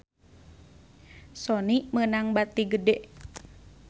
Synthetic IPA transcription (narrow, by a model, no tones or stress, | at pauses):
sɔnimənaŋbat̪iɡədɛʔ